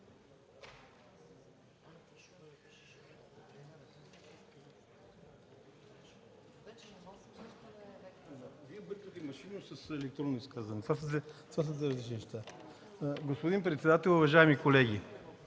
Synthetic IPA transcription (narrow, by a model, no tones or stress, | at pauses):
aviɛbəɾk̪ot̪imɐʃinusɐsɛlɛk̚t̪ɾonːoiskazɐnɛt̪vas̬əzɛt̪vas̬əzɛɾɐzlit͡ʃinɛʃt̪a | ɡospod̪inpɾɛt̪sɛd̪at̪ɛlˠʊvɐʒaɛmikolɛɡ̟i